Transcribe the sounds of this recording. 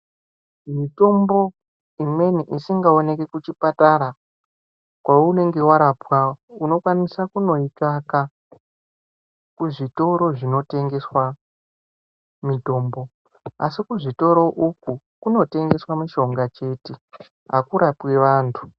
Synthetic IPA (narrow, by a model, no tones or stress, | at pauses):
mito̞mbo̞ | imwe̞niʔisiŋɡao̞ne̞ke̞kut͡ʃipataɾa | kwaoune̞ŋɡe̞waɾapwaouno̞kwanisakuno̞ikaka | kuʐito̞ɾo̞ʐino̞te̞ŋɡe̞swa | mito̞ːmbo̞ | a̰sikuʐito̞ɾo̞ʔuku | kuno̞te̞ŋɡe̞swamiʃo̞ŋɡat͡ʃe̞ːti | ɦa̰kuɾapwe̞ʋaːntʰu